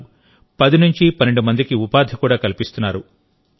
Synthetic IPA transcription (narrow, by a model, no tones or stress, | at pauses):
pɐd̪inuɲt͡ʃipɐneɳɖumɐnd̪ikiupaːd̪ʱikuːɽaːkɐlipist̪unːaːɾu